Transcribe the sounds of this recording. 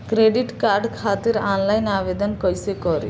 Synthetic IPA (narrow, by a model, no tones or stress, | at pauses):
kɾeːɖiʈkaːɾɖkʰaːt̪iɾaːnlajnaːʋeːd̪ɐnkɔjsekɔɾḭ